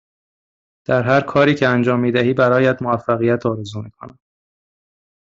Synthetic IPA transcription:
d̪̥æɾɦæɾkʰɒːɾiːcʰeænd͡ʒɒːmːiːd̪æhiːbæɾɒːjæd̪moæfːæɣijæt̪ʰɒːɾezuːmiːkʰo̰næ

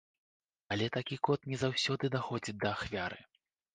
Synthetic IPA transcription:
ɐlʲɛt̪akʲikɔt̪nʲɛzawsʲɔd̪ɨd̪axɔd͡zʲid̪ɐːxvʲaɾɨ̰

